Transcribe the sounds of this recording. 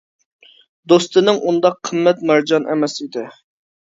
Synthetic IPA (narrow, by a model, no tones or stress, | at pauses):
d̪ost̪ɨnɪŋʔund̪ɑqʰːəmːɛt̪mæɾd͡ʒɑnʔɛ̰mɛsid̪ɪ